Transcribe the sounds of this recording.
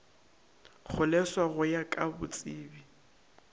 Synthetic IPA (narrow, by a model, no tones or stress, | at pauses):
χʰʊlɛswaɣʊjakʼabʊ̰t͡sʼiːbi